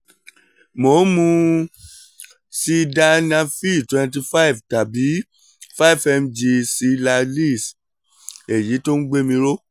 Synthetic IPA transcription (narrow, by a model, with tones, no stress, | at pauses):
mo˨˦mũ˧ | si˧da˧nã˧fi˦˨twɛ̃˧nt̬i˧fa˦i˨fta˨bi˨˦ | fa˦i˦˨fɛ˧md͡ʒe˧si˨˦la˧li˦˨s | e˨ji˨˦to˦ñ̩˦ɡ͡be˦mĩ˧ɾo˦